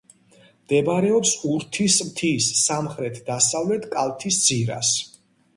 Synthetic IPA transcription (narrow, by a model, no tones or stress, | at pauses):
md̪ɛbɾɛɔpsuɾt̪ʰismt̪ʰisːamχɾɛt̪ʰd̪asavlɛt̪ʰkʼalˠt̪ʰisd̪z̥iɾa̰s